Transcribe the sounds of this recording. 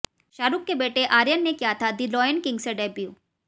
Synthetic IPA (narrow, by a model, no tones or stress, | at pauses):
ʃaːɾukːebeːʈeʔaːɾjənːekjat̪ʰad̪ɪlɔːjənkɪŋɡseɖɛbju